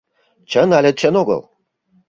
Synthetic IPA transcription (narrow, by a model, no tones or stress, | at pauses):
t͡ɕə̆nalʲĕt̪̚t͡ɕə̆noɡɤ̰lˠ